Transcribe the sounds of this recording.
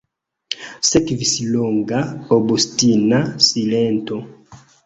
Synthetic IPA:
sɛkvisiloŋɡaobostinasilɛnto

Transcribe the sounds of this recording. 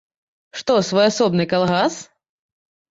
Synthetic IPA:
ʂt̪ɔsvɔjasɔbnɨkalˠɣas

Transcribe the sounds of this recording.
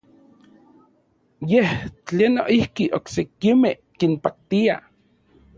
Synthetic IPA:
jeht͡ɬeːnːoʔihkiʔoksekimehkinpak̚t̪ia

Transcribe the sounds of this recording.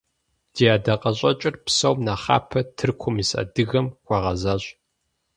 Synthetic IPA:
d̥iːaːdɐqʼɐɕʼɐt͡ʃʼɪrpsɐwmnaːχɑ̰ːpʰɐtʰɨrkʷʰʊmisɐ̰dɨɣɐmkʷɑʁɐzaːɕ

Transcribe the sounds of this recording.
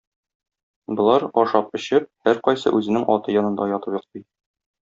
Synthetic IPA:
bɤ̆lˠɑɾɒʃɑpɵ̆ɕɘp̚hæɾqɒjsɤ̰ʔʉzɘ̆nɘŋʔɒ̰t̪ɤjɒnɤ̆nd̪ɑjɒt̪ɤpjŏq̚t̪ɤj

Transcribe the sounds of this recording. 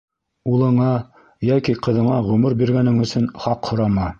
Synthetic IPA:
ulˠɤ̆ɴɑ | jækiqɤ̆ðɤ̆ɴɑʁɵmɵɾbiɾɡænɘŋɵ̆sɵnχɑqhŏɾɑmɑ

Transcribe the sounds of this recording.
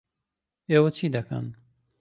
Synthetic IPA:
eːwɐt͡ʃʰiːd̪ɐkʰɐ̰n

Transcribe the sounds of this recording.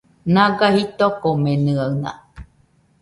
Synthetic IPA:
naɡahit̪okomenɨawna̰

